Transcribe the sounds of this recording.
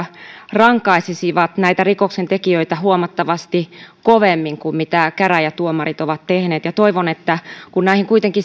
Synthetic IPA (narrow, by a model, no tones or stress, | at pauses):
rɑŋkɑisisiʋɑt̪næit̪ærikoksent̪ekiøit̪æhuomɑt̪ːɑʋɑst̪ikoʋemːiŋkummit̪ækæræjɑt̪uomɑrit̪oʋɑt̪t̪ehneːt̪jɑt̪oiʋonet̪ːækunnæˑihiŋkuit̪eŋki